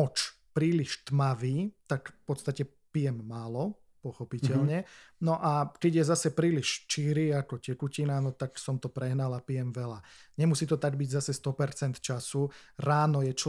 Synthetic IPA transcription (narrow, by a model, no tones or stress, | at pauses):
ɔt͡ʃ | pɾiːliʃt̪maʋiːt̪akfpɔt̪st̪acɛ | pijɛmːaːlɔ | pɔxɔpicɛʎɲɛnɔʔakɛɟjɛzasɛpɾiːliʃt͡ʃiɾiːakɔcɛkucinanɔt̪aksɔmt̪ɔpɾɛɦnalapijɛmʋɛlaɲɛmusiːt̪ɔt̪aɡ̚biɟzasɛst̪ɔpɛɾt͡sɛnt̪t͡ʃasuɾaːnɔjɛt͡ʃ